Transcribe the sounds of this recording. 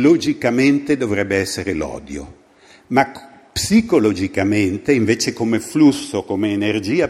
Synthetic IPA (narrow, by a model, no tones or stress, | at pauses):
lod͡ʒikament̪ed̪ovɾɛbːeɛsːeɾelɔ̰ːd̪jo̰ | ma | psikolod͡ʒikament̪eiɱveːt͡ʃekomeflusːokomeːnerd͡ʒiːa